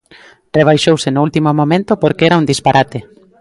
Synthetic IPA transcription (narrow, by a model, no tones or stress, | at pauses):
reβ̞ajʃowsenoult̪imomõmẽnt̪opoɾkeɛɾaund̪ispaɾʔat̪e